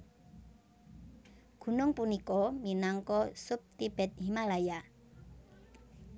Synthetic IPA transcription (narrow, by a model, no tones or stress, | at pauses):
ɡ̥ṳnʊŋpunikɔminaŋkɔsʊp̚t̪ib̥ɛ̤t̪̚ɦimalaja